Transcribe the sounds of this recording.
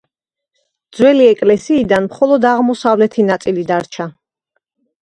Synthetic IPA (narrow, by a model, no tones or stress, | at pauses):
d̪zwɛliɛkʼlɛsiːd̪anmχɔlˠɔd̪aʁmɔsavlɛt̪ʰinat̪sʼilid̪aɾt͡ʃʰa